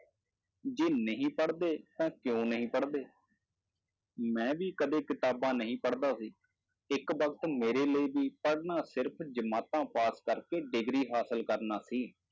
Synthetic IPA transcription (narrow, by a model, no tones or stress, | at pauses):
d͡ʒeːnəɦĩːpəɽd̪eːt̪ãːkjõːnəɦĩːpəɽd̪eː | mɛ̃ːʋiːkəd̪eːkɪt̪aːbãːnəɦĩːpəɽd̪aːsiː | ɪkʋəkt̪meːɾeːləiːbiːpəɽnaːsɪɾpʰd͡ʒəmaːt̪ãːpaːskəɾkeːɖɪɡɾiːɦaːsəlkəɾnaːsiː